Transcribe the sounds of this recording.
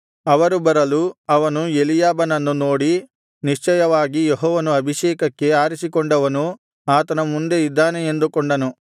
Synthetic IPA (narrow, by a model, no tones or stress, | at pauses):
ɐʋɐɾubɐɾɐluɐʋɐnuelijaːbɐnɐnːuno̞ːɽi | niʂt͡ʃɐjɐʋaːɡijeɦɔːʋɐnuɐbʱiʃɛːkɐkːe̞aːɾisikɔɳɖɐʋɐnu | aːt̪ɐnɐmund̪e̞id̪ːaːne̞end̪ukɔɳɖɐnu